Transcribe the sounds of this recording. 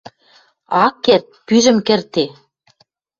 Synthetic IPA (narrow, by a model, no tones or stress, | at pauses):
ɑkːert̪̚pyʒɘ̆mkɘ̆rt̪e